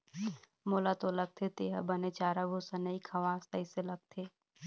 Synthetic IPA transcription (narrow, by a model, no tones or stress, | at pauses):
moːlat̪olɐɡ̚t̪ʰet̪eːɦa̰bɐnet͡ʃaːɾaboːsanɐikʰɐʋaːst̪aiselɐɡ̚t̪ʰeː